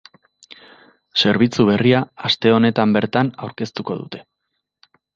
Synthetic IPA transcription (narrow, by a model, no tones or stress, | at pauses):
se̞ɾβ̞it͡suβ̞e̞riaːst̪e̞o̞ne̞t̪ambe̞ɾt̪anawɾke̞st̪uko̞ðṵt̪e̞